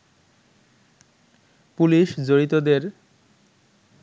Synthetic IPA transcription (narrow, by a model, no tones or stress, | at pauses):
puliʃd͡ʑoɾit̪od̪eɾ